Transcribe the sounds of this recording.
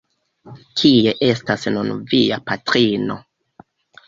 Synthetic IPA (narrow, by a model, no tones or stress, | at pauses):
kʰie̞ʔe̞stasnunviapatɾino̞̰